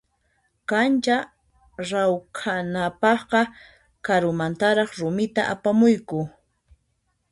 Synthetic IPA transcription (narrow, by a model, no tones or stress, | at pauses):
kant͡ʃa | ɾawkʰanapɑχqɑ | kaɾʊmant̪aɾɑχɾʊmɪt̪aʔapamʊjkʊ